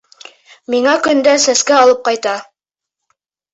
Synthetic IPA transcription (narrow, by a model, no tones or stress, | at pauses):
miŋækɵ̆nd̪æsæskæɑlˠɤp̚qɑjt̪ɑ